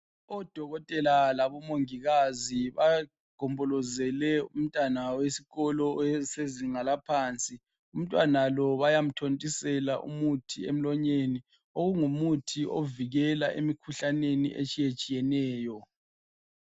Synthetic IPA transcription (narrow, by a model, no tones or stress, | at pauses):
ɔd̥ʱɔɣɔtʼɛlalaβɔmoŋiɣaziβa | ɡ̥ʱɔmbʱɔlɔzɛlɛum̩tʼanawesiɣɔlɔseziŋalapʰaːnt͡sʼi | um̩tʼwanalɔβajam̩tʰontʼisɛla̰ʔṵmutʰiem̩lɔɲeni | oɣuŋumutʰioviɣɛlaʔemikʰuɬanenḭʔḛt͡ʃʼijet͡ʃʼijɛnɛːjɔ